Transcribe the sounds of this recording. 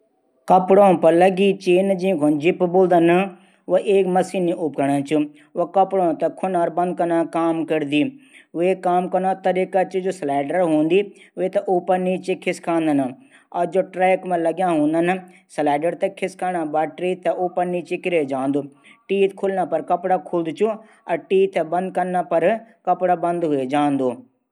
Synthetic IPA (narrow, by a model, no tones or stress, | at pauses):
kəpɽõːpəɾləɡiːt͡ʃeːnd͡ʒĩkʰond͡ʒɪpboːld̪ən | ʋəʔeːkməsiːniʔʊpkəɳat͡ʃu | ʋokəpɽõːt̪ɐkʰʊnaːɾbɐ̃nd̪̚kəɾnãːkaːmkəɾd̪iːʋeːkaːmkəɾnãːt̪əɾikat͡ʃd͡ʒoːslɛːɖəɾɦõːnd̪iːʋeːt̪ɐʔoːpəɾniːt͡ʃekʰɪskʰãːnd̪ənə | ɐd͡ʒoːʈɾɛːkmãlɐɡjãːɦũːnd̪ənslɛːɖəɾt̪ɐkʰɪskaːnabaːʈɾiːt̪ɐʔoːpənːit͡ʃɪkɪɾed͡ʒãːnd̪oː | ʈiːt̪kʰʊlnaːpɐɾkɐpɽakʰʊld̪t͡ʃũ | ɐʈiːt̪ɐbɐ̃nd̪̚kɐnːapɐɾkɐpɽaːbɐ̃nd̪ɦʊed͡ʒãːnd̪oː